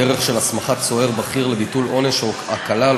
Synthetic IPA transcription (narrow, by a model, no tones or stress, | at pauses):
eʁeχʃelasmaχat͡so̞e̞ʁbaχiʁlebitulo̞neʃoakala